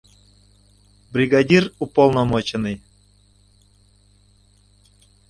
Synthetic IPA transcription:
brʲiɡadʲirupolˠnomot͡ɕənɨj

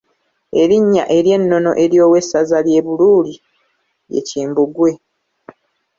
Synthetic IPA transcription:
e̞ɾiɲːa̰ʔe̞ɾje̞nːo̞no̞̰ʔe̞ɾjo̞ːwe̞sːazalje̞βuluːli | je̞̰ciːmbuɡwe̞

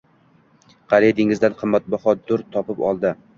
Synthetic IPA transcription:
qʰɑɾed̪ɪŋɪzd̪anqʰɨmːat̪̚bɒχɒd̪ʊɾt̪ʰɒpɪpɒ̰lˠd̪ɪ

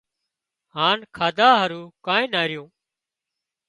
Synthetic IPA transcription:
ɦaːnkʰaːd̪aːɦəɾuːkãːẽːnaːɾɪjõː

